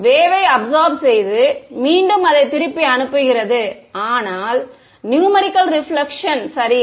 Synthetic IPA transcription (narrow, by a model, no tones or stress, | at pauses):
ʋeːʋɐɪɐbsaːɾbsɛjðɯmiːɳɖɯmɐðɐɪt̪ːɪɾɯpːiɐnɯpːɯɣɪrɐðɯaːnaːl | njuːmɐɾɪkːɐlɾɪfɭɐkʂɐnsɐɾɪ